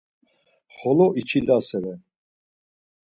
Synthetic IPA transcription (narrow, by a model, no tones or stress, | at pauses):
χɔlɔʔit͡ʃʰilasɛvɛn